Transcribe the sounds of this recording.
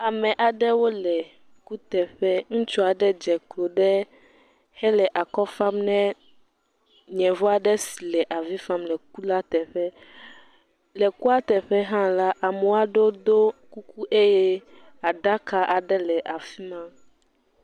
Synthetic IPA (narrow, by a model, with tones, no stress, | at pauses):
a˨mɛ̃˨ʔa˨ɖɛ˦wo˦lɛ˨ | ku˦t̪ɛ˨ɸɛ˦ŋũ˦t͡ʃɔ˦a˨ɖɛ˦d͡ʒɛ˨klo˨ɖɛ˦ | hɛ˦lɛ˨ʔa˨kɔ˦fa˦mnɛ̃˦ | ɲɛ̃˨vɔ˦a˨ɖɛ˦si˨lɛ˨ʔa˨vi˦fa˦mlɛ˨ku˦la˦t̪ɛ˨ɸɛ˦ | lɛ˨ku˦a˦t̪ɛ˨ɸɛ˦ɦã˦la˦ʔa˨mɛ˨wa˦ɖo˦d̪o˦ku˦ku˦ʔe˦jɛ˦ | a˨ɖa˦ka˦ʔa˨ɖɛ˦lɛ˨ʔa˨fi˦mã˦